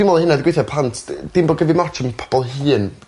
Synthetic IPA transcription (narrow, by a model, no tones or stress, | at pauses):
imɔlˠəhɪnadɪɡwejθjapʰantʰd̥ɪmbɔɡəvimat͡ʃʰəmpʰɔ̥b̥ɔlˠɦɨːn